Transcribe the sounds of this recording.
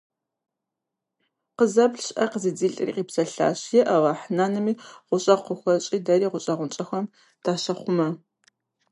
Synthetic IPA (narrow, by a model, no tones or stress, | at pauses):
qəzɐbɬɕʼʔɐqəziːd͡ziːɬʼɨrḭqiːpsɐɬa̰ːɕjɛʔɐwɑːħnaːnɨmiːʁʷʊɕʼɐqʷəxʷɐt͡ʃʼiːdɐɾiːʁʷʊɕʼɐʁʷʊnt͡ʃʼɐxʷɐm | d̥aːʃɐχʷʊmɐ